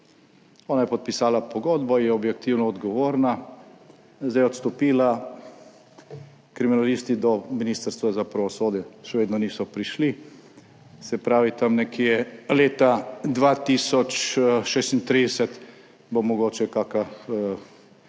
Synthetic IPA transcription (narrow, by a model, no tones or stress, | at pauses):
ɔːnajɛpɔt̪̚pisaːlapɔɡod̪bɔjɛɔbjɛkt̪iwnɔɔd̪ɡɔʋoːɾna | zd̪ɛjɔt̪st̪ɔpiːla | kɾiminaliːst̪id̪ɔminist̪əɾst̪ʋazapɾaʋɔsoːd̪jɛʃɛʋeːd̪nɔniːsɔpɾiʃli | sɛpɾaːʋit̪amnɛkʰiɛleːt̪ad̪ʋaːt̪isɔt͡ʃʃeːst̪int̪ɾid̪ɛsɛt̪ | bomɔɡoːt͡ʃɛkaka